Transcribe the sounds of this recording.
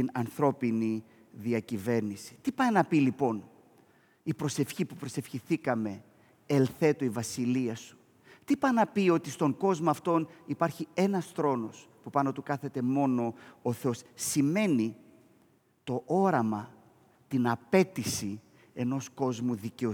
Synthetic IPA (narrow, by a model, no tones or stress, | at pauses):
inɐnθɾo̞pini | ðiɐcive̞ɾnisi̥t̪ipɐnɐpilipo̞n | ipɾo̞se̞fçipupɾo̞se̞fçiθikɐme̞ | elθe̞t̪oivɐsiliɐsu̥ | t̪ipɐnɐpio̞t̪ist̪o̞ŋɡo̞zmoɐft̪o̞nipɐɾçie̞nɐsθɾo̞no̞spupɐno̞t̪ukɐθe̞t̪e̞mo̞no̞ːθeo̞sːime̞ni | t̪o̞ʔo̞ɾɐmɐ | t̪inɐpe̞t̪isi | e̞no̞sko̞zmuðiceo